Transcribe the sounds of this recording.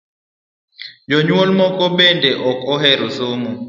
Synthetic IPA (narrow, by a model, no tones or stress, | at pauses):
joɲuwɔlmɔkʼɔɓɛndʱɛʔɔkʼʰɔhɛɾosoːmu